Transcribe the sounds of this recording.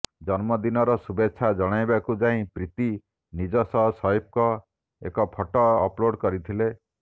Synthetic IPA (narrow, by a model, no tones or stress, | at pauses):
d͡ʒɔnmɔd̪inɔɾɔsubeːt͡ʃʰad͡ʒɔɽ̃ajbakud͡ʒaĩpɾit̪i | nid͡ʒɔsɔɦɔsɔip̚kɔ | ḛkɔpʰɔʈɔ̰ːploɽkɔɾit̪ʰile